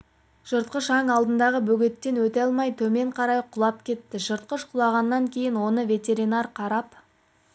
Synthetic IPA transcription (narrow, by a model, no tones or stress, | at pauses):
ʒ̥əɾt̪̚qəʃɑŋɑlˠd̪ənd̪ɑʁəbɵɡʲe̞t̪ːe̞nwɵt̪ɑlˠmɑjt̪ʰɵme̞ɴqʰɑɾɑjqʰʊlˠɑp̚kʲʰe̞t̪ːɪʒəɾt̪̚qəʃqʰʊlˠɑʁɑnːɑŋkʲʰe̞jɪnwo̞nəvʲe̞t̪ʲe̞ɾinɑrqʰɑɾɑp